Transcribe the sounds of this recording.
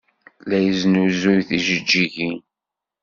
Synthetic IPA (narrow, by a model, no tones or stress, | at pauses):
læjəznuzʊjθiʒəd͡ʒːiʝi